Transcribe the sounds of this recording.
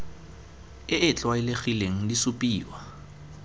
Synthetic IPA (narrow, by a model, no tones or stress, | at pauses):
ɪʔɪt͡ɬʼwaɪleχileŋ̩lisupʼiːwa